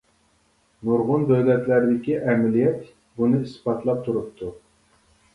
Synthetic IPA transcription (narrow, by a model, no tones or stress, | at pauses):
muɾʁʊnbæwlɛt̪læɾɪd̪ɪkʲiʔɛmɪlijɛt̪ | bunɨispɑt̪ʰlˠɑp̚t̪ʰuɾup̚t̪ʰu